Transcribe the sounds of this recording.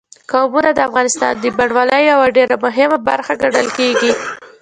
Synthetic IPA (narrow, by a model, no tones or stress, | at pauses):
kabunad̪əafɣɑnɪst̪ɑ̰nd̪əbaɖwɑləjjawaɖeɾamʊɦɪmaba̰ɾxaɡaɖəlkeɡi